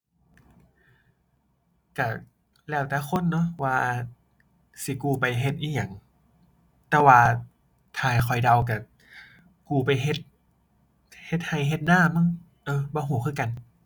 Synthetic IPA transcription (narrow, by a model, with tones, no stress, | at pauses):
ka˧˩ | lɛː˧˩wt̪ɛː˧˩kʰo˧˥˨nːɔ˧˥waː˧ | si˧˦kuː˧˩pa˧jɦe˧˦t̪̚ʔiː˧˩ja˨˧˩ŋ | t̪ɛː˧˩waː˧ | t̪ʰaː˧˩kʰɔ˨˩jda˧wk̬a˧˩ | kuː˧˩pa˧jɦe˧˦t̪̚ | he˧˦t̪̚ha˧˩jɦe˧˦t̪̚naː˧˥˩ma˧˥˨ŋ | ʔɤː˧˩bɔː˧˦ɦuː˨˩˦kʰɯː˧˥˨ka˧n